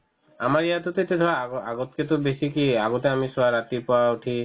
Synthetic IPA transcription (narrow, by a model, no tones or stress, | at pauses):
amaɾiat̪ot̪et̪ed̪ʰʱɔaa̰ɡot̪ket̪obesikiaɡot̪eamisɔaɾat̪ipaʈʰi